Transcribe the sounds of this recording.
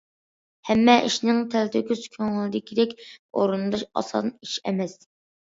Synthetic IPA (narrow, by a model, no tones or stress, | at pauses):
hɛmːɛʔiʃnɪŋt̪ʰælt̪ʰɪkʲyzkʲʰøŋɪlˠɪd̪ɪkʲid̪ɛkʲo̰ɾund̪ɑʃɑ̰sɑ̰niʃɛ̰mɛs